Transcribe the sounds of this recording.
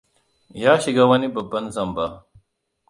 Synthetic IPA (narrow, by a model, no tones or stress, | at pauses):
jaːɕiɡawɐnibɐbɐnzɐmba